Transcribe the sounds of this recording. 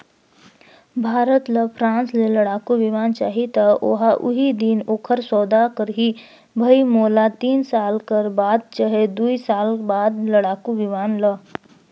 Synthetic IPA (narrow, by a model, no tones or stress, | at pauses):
bʱaːɾət̪ləpʰɾãːnsleləɽaːkuʋɪʋaːnt͡ʃa̰ːɦit̪əʔo̰ɦaʔʊɦid̪iːnoːkʰəɾsɔːd̪akəɾɦi | bʱəimoːlat̪iːnsaːlkəɾbaːd̪̚t͡ʃaɦed̪uisaːlbaːd̪ləɽaːkuʋɪʋaːnlə